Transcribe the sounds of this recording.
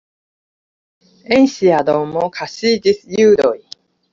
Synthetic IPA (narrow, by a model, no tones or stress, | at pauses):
ẽɰ̃ɕiad̪omokʰaɕiːd͡ʑisɨjɯːd̪oi